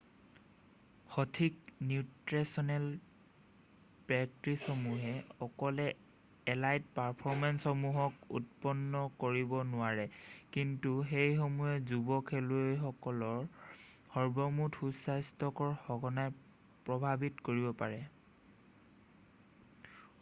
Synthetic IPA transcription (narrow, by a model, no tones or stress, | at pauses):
xɔtʰiknjutɹesɔnɛl | pɛk̚tɹisɔmuɦɛɔkɔlɛ | ɛlajt̚paɹpʰɔɹmɛnsxɔmuɦɔkṵt̚pɔnːɔkoɹibɔnʊaɹɛkintuxejxomuɛzubɔkʰɛlojxɔkɔlɔɹ | hɔɹbɔmutʰxusajstɔkɔɹxɔɡɔnaj | pɹɔbʱabitkoɹibɔpa̰ɹɛ